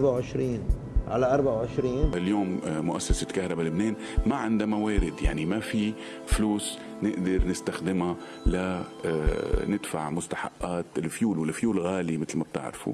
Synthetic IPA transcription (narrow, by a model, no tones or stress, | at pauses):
bawʕɪʃɾiːn | ʕa̰laʔɑɾˤbaʕwʕɪʃɾiːnljoːmːʊʔasːasakahɾˤɑbalɪbneːn | maʕɪnd̪amaweːɾɪd̪ja̰ʕnimafi | fluːs | nɪʔd̪ɑɾˤnɪst̪axd̪ɪma | la | nɪd̪fa̰ʕmʊst̪ḁħa̰ʔːaːt̪ɪlfjuːlwalːafjuːlɣaːlimɪt̪lmab̚t̪ɪ̰ʕɾɪ̰fṵ